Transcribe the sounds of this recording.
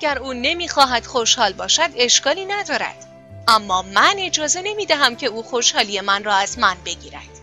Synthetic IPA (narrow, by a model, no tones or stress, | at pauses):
æɟæɾuːne̞miːxɒːɦæd̪̥xo̞ʃhɒːlbɒːʃæd̪e̞ʃkɒːliːnæd̪ɒːɾæ̰d̪̥ | ʔæmːɒːmæne̞d͡ʒɒːze̞ne̞miːd̪æɦæmcʰe̞uːxo̞ʃhɒːlije̞mænrɒːæzmænbe̞ɟiːɾæ̰d̪̥